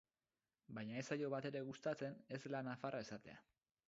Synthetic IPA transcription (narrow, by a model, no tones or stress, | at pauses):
bajɲae̞sajo̞βat̪e̞ɾe̞ɣust̪at͡se̞ne̞zlanafarae̞sat̪e̞̰a̰